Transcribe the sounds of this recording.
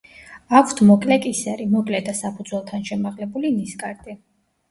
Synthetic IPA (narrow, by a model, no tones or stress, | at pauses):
akʷʰt̪ʰmɔkʼlɛkʼisɛɾimɔkʼlɛd̪asapʰud̪zwɛlˠt̪ʰanʃɛmaʁlɛbuliniskʼaɾd̪i